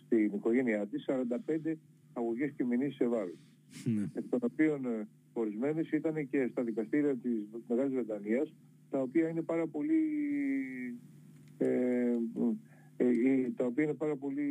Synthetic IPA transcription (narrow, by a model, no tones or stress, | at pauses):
st̪iniko̞ʝe̞niɐt̪isːɐɾɐnd̪ɐpe̞nd̪e̞ | ɐɣoʝe̞sce̞minisse̞vɐlos | epit̪o̞no̞pio̞n | o̞ɾizme̞nisit̪ɐne̞ce̞st̪ɐðikɐst̪iɾiɐt̪ismeɣɐlizve̞d̪ɐniɐs | t̪ɐo̞piɐine̞pɐɾɐpo̞li | e | it̪ɐopiɐine̞pɐɾɐpo̞li